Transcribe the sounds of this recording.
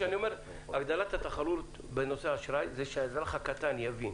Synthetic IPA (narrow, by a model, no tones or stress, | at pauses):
anio̞meʁ | aɡd̪alat̪hat̪aχalut̪ | beno̞seaʃɾajzeʃeaezaχakat̪anjavin